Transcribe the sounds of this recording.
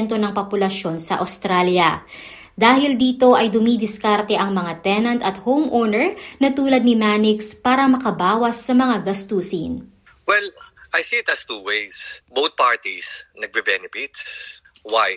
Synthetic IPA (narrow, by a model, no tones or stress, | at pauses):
nt̪o̞nɐŋpopʊlɐʃjo̞nsɐ̰ʔɐ̰wst̪ɾaljɐ | d̪aːhɪld̪iːt̪o̞ʔɐjd̪ʊmid̪ɪskaɾt̪ɛʔɐŋmɐŋat̪ɛnɐnt̪ɐt̪howmʔonɛɹnɐt̪uːlɐd̪nɪmaːnɪkspaːɾɐmɐkɐbaːwɐsːɐmɐŋaɡɐst̪uːsin | wɛlʔɐjsiɪt̪ɐst̪uwejsbowt̪̚paɹt̪isnɐɡ̚bɪbɛnɛpit̪swaj